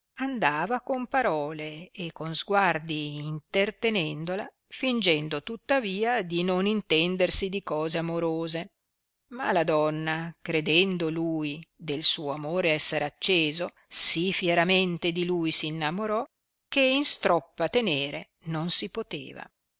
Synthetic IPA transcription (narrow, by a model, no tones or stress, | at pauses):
and̪aːvakompaɾɔːleːkːonzɡward̪iːnt̪ert̪enɛnd̪ola̰ | find͡ʒɛnd̪ot̪ut̪ːaviːad̪inonint̪ɛnd̪ersid̪ikɔːzeamoɾoːze | ma̰lad̪ɔnːakɾed̪ɛnd̪olujd̪elsuːoamoːɾeɛsːeɾeat͡ʃːeːzo | sifjeɾament̪ed̪ilujsiːnːamoɾɔ | k̟einst̪ɾɔpːat̪eneːɾḛ | nonsipot̪ḛːva̰